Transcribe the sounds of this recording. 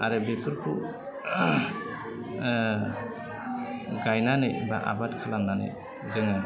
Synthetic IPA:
aɾɯbetʰuɾkʰu | ɡajnanɯjba̰ʔa̰batkʰalamnanɯ̰j | zɯŋɯ

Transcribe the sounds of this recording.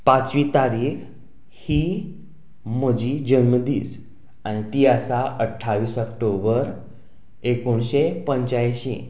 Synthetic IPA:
pat͡sʋiːt̪aɾiːx | hiː | m̤əd͡ʑiːd͡ʑənməd̪ḭːd͡z | añit̪iːasaʔəʈʰːaʋiːsəkʈobəɾ | ekoɳɕepəɲt͡ɕajɕḭ

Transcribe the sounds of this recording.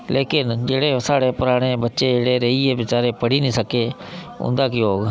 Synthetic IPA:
leːkɪnd͡ʒeːɽeɐsaːɽepʊɾaːɽ̃ebɐt͡ʃeeɽeɾeiebɪt͡ʃaːɾepɐɽinĩsəkʰe | ʊ̰̃ːnd̪akɪjooːɡ

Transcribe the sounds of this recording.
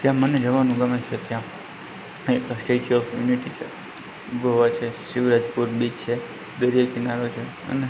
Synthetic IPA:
t̪jãməned͡ʒəʋanũɡəmẽt͡ʃʰet̪jã | ekəsʈet͡ʃɔfjuniʈit͡ʃʰe | ɡoʋat͡ʃʰesɪʋɾad͡ʒpuɾbid͡ʒt͡ʃʰe | d̪əɾjakɪnaɾot͡ʃʰe | ə̰ne

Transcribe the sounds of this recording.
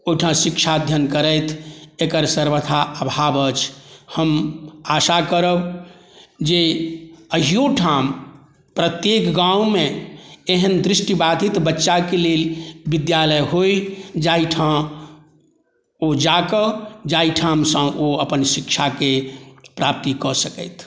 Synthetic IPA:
ojʈʰãsikt͡ʃʰad̪ʱjənkəɾəjt̪ʰekəɾsəɾbət̪ʰaəbʱabət͡ʃʰhəmasakəɾəb | d͡ʒe | əɦijoʈʰam | pɾət̪jekɡãwmeeɦənd̪ɾisʈibad̪ʱit̪bətːʃakelelbid̪jaləjɦojd͡ʒaiʈʰa | od͡ʒakəd͡ʒaiʈʰamsə̃ʔoəpənsikt͡ʃʰakepɾap̚t̪ikɔsəkə̰jt̪ʰ

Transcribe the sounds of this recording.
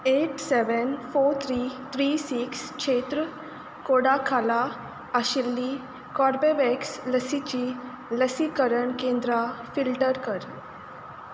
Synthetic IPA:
eʈsɛʋənfoɾt̪ʰɾit̪ʰɾisikskʂʰet̪ɾə | koɽakʰala | aɕilːi | kɔɾbeʋɛksləsit͡ɕiː | ləsikəɾəɳkẽnd̪ɾafilʈəɾkəɾ

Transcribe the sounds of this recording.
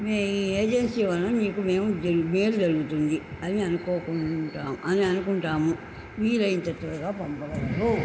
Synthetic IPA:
meieːd͡ʒensiːʋɐnɐmniːkume̞ːmud͡ʒɐme̞ːlud͡ʒɐɾuɡut̪und̪i | ɐniɐnukoːkuʈaːmʔɐniɐnukuɳʈaːmu | ʋiːlɐjint̪ɐt̪ʋɐɾɐɡaːpɐmpɐlɐu

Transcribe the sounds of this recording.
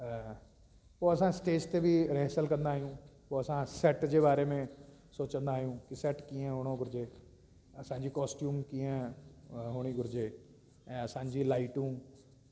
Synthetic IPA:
poɐsãɪsʈeːst̪ebʱiɾeɦsəlkɐ̃nd̪aːɦijũpoːɐsãsɛʈd͡ʑeːbaːɾemẽ | soːt͡ɕə̃nd̪aːɦijũkisɛʈkiːə̃ɦʊɽ̃õɡʊɾɪd͡ʑeː | ɐsãːɲd͡ʑikɔːsʈjuːmkĩːə̃ | ɦʊɽ̃iɡʊɾɪd͡ʑe | ɛ̃ːɐsãːɲd͡ʑilaːɪʈũ

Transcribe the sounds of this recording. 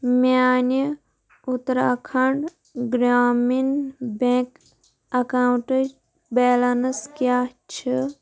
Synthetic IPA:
mani | ut̪ɾaːkʰɐɳɖ | ɡɾaːminbẽːk | ɐkaːwʈəd͡ʒ | beːlanɐskjaːt͡ʃʰi

